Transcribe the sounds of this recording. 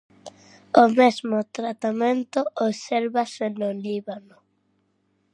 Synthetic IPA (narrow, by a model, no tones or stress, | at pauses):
omezmʊt̪ɾat̪amẽnt̪ooβseɾβasenoliβanʊ